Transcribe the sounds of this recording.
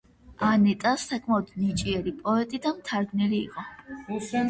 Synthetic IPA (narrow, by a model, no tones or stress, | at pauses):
anɛt̪ʼasakʰʼmaɔd̪̥nit͡ʃʼiɛɾipʼɔɛt̪ʼid̪amt̪ʰaɾɡnilḭːqʼɔ